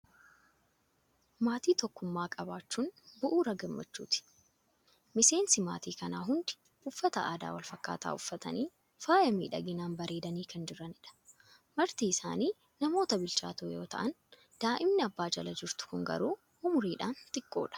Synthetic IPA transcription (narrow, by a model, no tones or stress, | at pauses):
maːt̪iːt̪ɔkːʊmːaːkʼɐbaːt͡ʃːunbʊʔuːɾɐɡɐmːɐ̰t͡ʃːṵːt̪ɪ̥ | mɪse̞ːnsɪma̰ːt̪iːkɐna̰ːɦʊnd̪ɪ̥ | ʔʊfːɐt̪ɐaːd̪a̰ːwɐlfɐkːa̰ːt̪a̰ːʊfːɐt̪ɐ̰niː | faːjɐmiːᶑɐ̰ɡɪnaːnbɐɾʔe̞ːd̪ɐniːkʰɐnd͡ʒɪɾɐnɪᶑɐ̥ | mɐɾt̪iːɪsa̰ːniː | nɐmo̞ːt̪ɐbɪlt͡ʃa̰ːt̪oːjo̞̰ːt̪ɐ̰ʔɐn | d̪̥aːʔɪmnɪɐbːaːd͡ʒɐlɐd͡ʒɪɾt̪ʊ̥kʊŋɡɐ̰ɾuː | ʔʊmʊɾiːᶑaːnt̪ʼɪkʼːo̞̰ːᶑɐ̥